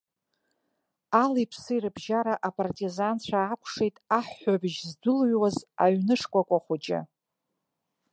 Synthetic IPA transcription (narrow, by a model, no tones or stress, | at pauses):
alijpʰsɨirɨbʒaɾaʔapʼartʼizant͡ɕʷʰaːkʷʰʂejtʼaħːʷabɪʒzdʊlɥwaza̰ɥnɨʂkʷʼakʷʼaχʷʊd͡ʒʼɪ̰